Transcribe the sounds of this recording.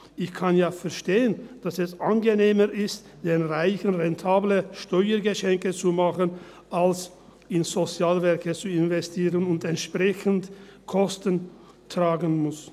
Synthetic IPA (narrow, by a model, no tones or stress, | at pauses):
ʔɪçkʰanjaːfɛɐʃteːənd̥asɛsʔanɡəneːməʔɪst | d̥eːnʁaɪçənʁɛntʰaːbləʃtɔʏəɡəʃɛŋkət͡sumaχən | ʔals | ɪnzot͡sjaːlvɛʁkət͡suɪnvɛstʰiːʁənʊntɛntʃpʁ̥ɛçəntkʰɔstən | tʁ̥aːɡənmʊs